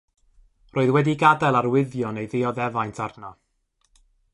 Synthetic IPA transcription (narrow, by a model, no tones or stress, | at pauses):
rʔoːɨðwɛdiɡadɛlˠarwɪðjɔnejðɪɔðɛvajntʰarnɔ